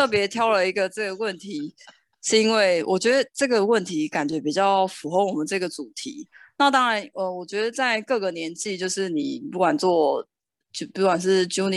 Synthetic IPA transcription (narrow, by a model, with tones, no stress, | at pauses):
ɤ˥˩p̬jɛ˧˥t̪ʰjɑ˥ʊlə˨i˧˥ɡə˨ʈ͡ʂɤ˥˩ɡə˩wə˥˨nt̪ʰi˧˦ | ʂɻ̩˥˧i˥nwe˥˩ɪwʔɔ˨˩t͡ɕɥɛ˧˥d̪ə˧ʈ͡ʂɤ˥˩ɡə˨˩wə˥˩nt̪ʰi˨˦ka˨˩nt͡ɕɥɛ˧˦˥pi˨˩t͡ɕjɑ˥˩ʊfu˨˥xo˥˩ʊwɔ˨˩mə˨˦nʈ͡ʂɤ˥˩ɡə˩t͡su˨˩t̪ʰḭ˧˦na˥˩t̪ɑ˥ŋɻa˧˦nə˨wɔ˨˩t͡ɕɥɛ˧˥d̪ə˨t͡sa˥˧ɪkɤ˥˩ɡə˨˩njɛ˧˥nt͡ɕi˥˧t͡ɕjo˥˧ʊʂɻ̩˥˩ni˨˩pu˥˩kwa˨˩nt͡swɔ˥˩ | t͡ɕpu˥˩kwa˨˩nʂ̬ɻ̩˥˩t͡ɕjo˥ʊn